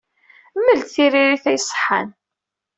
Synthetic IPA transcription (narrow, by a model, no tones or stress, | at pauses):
mːəlt̪θiriɾiθæjsˤːħa̰n